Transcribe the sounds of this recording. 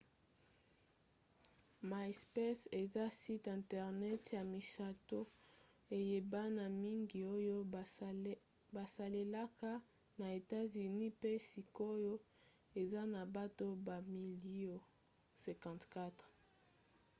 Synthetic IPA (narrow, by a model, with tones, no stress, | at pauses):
ma˨spɛ˦se˨za˦si˦tɛ̃˨ntɛ˨ʁnɛ˦tja˨mi˨sa˨to˦ | e˨je˨ba˦na˨mi˦ŋɡi˨o˦jo˦ | ba˨sa˨le˨la˦ka˦ | na˨e˨ta˦zy˨ni˦pe˦si˨ko˦jo˦ | e˨za˦na˨ba˦to˦ba˨mi˨li˦o˨ | sɛ̃˨kɑ̃˨tka˦t